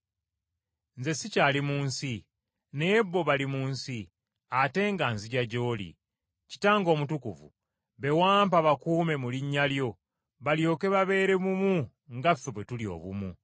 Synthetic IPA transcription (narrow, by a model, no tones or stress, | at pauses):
nze̞sicaːlimuːnsi | ne̞bːo̞βalimuːnsi | ate̞ŋɡanziɟaɟo̞ːlḭ | ci̥taːŋɡo̞ːmutukuvṵ | βe̞waːmpaβakuːme̞muliɲːaljo̞ | βaljo̞ːke̞βaβe̞ːɾe̞mumu | ŋɡafeβwe̞tulio̰βṵmṵ